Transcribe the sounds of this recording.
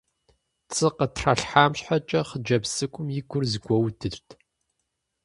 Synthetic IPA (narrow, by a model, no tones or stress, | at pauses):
t͡sʼɨqətʰraɬħaːmɕħat͡ʃʼɐχəd͡ʒɐpsɨkʷʼʊmjɪɡʷʊrzɡʷɔwdʰɨrtʰ